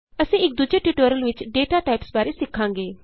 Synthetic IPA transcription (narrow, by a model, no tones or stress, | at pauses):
əsĩːɪk̚d̪ʊd͡ʒeːʈiʈoːɾəlʋɪt͡ʃɖeːʈaːʈaːɪpsbaːɾeːsɪkʰːãːŋɡeː